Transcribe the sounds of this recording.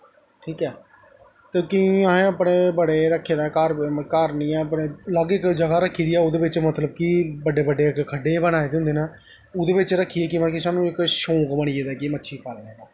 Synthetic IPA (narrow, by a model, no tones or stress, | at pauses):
ʈʰiːkɛː | k̪ekiəɦẽːəpɽeːbəɽeːɾəkʰːeːd̪aːkəɾkəɾnĩːəpneːləɡɪkd͡ʒəɡaːɾəkʰːiːd̪iːɛːʊd̪eːʋɪt͡ʃmət̪ləb̚kibəɖeːbəɖːeːkkʰəɖeːbənaːeːd̪eɦʊ̃nd̪eːnaː | ʊd̪eːbɪt͡ʃɾəkʰːiːeːkiməkisaːnũːɪkʃõːkbəɽ̃iːeːd̪ɛːkimətːʃʰiːpʰaːleːɛːd̪aː